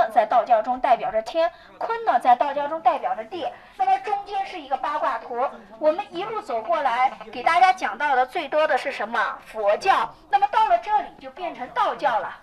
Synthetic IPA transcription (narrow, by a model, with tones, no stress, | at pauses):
ə˨˩t͡sa˥˧ɪt̪ɑ˥˧ʊt͡ɕjɑ˥˩ʊʈ͡ʂʊ˥ŋt̪a˥˩ɪpjɑ˨˩ʊʈ͡ʂə˦t̪ʰjɛ˥n | kʰwə˥nnə˨˩t͡sa˥˧ɪt̪ɑ˥˧ʊt͡ɕjɑ˥˧ʊʈ͡ʂʊ˥ŋt̪a˥˩ɪpjɑ˨˩ʊdə˦t̪jɛ˥˩ | na˥˩mə˨˩ʈ͡ʂʊ˥ŋt͡ɕjɛ˥nʂɻ̩˥˩i˧˥ɡə˧pa˥kwa˥˩t̪ʰu˧˥wɔ˨˩mə˦ni˧˥lu˥˩t͡so˨˩ʊkwɔ˥˩la˧˥ɪke˨˩ɪt̪a˥˩t͡ɕja˥t͡ɕjɑ˨˩ŋt̪ɑ˥˩ʊd̪ə˩t͡swe˥˩ɪt̪wɔ˥d̪ə˨ʂɻ̩˥˩ʂə˧˥nmə˧fwɔ˧˥t͡ɕjɑ˥˩ʊna˥˩mə˩t̪ɑ˥˩ʊlə˩ʈ͡ʂɤ˥˩li˨˩t͡ɕjo˥˧ʊpjɛ˥˩nʈ͡ʂʰɤ˧˥ŋt̪ɑ˥˧ʊt͡ɕjɑ˥˩ʊlə˩